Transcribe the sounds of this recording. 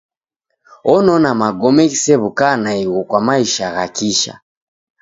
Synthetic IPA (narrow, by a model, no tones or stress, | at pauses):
ɔnɔnamaɡɔmɛɣisɛβukanaiɣɔkwamaiʃaɣakiʃa̰